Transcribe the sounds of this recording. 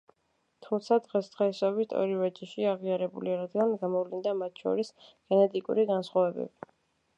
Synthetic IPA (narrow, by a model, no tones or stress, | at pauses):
t̪ʰumt̪sʰad̪ʁɛsd̪̥ʁɛsɔbit̪ʰɔ̰ɾivɛt͡ʃʼiʃiaʁiaɾɛbuliaɾad̪ɡanɡamɔvlind̪amat̪ʰʃɔ̰ɾisɡ̥ɛnɛt̪ʼikʼṵɾiɡansχwavɛbɛ̰bi